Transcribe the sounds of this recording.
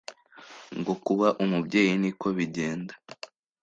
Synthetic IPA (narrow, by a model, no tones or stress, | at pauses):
ŋɡo̞kuβaʔumubɟe̞ːjiniko̞βiɟe̞ːnda